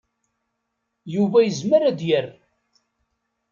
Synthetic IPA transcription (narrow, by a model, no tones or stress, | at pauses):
juvæjəzməɾæd̪jər